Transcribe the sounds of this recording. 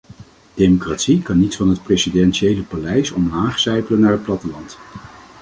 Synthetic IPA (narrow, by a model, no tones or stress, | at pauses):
d̥ejmokraːtsikɑnːitfɑnɦət̚presidɛnʃejləpalɛjsɔmlaːχsɛjpələnːaːɹɦət̚plɑtəlɑnt